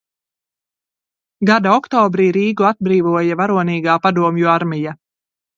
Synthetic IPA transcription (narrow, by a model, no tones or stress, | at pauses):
ɡad̪aɔkt̪ɔːbɾiːɾiːɡuad̪̚bɾiːvuɔjavaɾuɔniːɡaːpad̪uɔmjuaɾmija